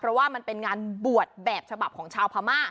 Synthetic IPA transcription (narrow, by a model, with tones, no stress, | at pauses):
pʰɾɔ˦˥waː˥˩ma˧npe˧nŋaː˧nbu˨˩ət̪̚bɛː˨˩p̚t͡ɕʰa˧ba˨˩p̚kʰɔː˩˦ŋt͡ɕʰaː˧wpʰaː˧maː˥˩